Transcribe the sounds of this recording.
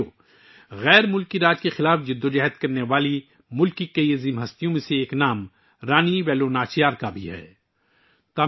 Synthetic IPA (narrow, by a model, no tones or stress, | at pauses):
o | ɣɛːɾmʊlkiɾaːd͡ʒkexɪlaːfd͡ʒɪd̪ːod͡ʒɛɦət̪kɐɾneʋaːli | mʊlkikɐiezɪmɦɐst̪ijõmẽseːknaːm | ɾaːniʋɛːlonaːt͡ʃjaːɾkabʱḭɦɛ̰ː | t̪aː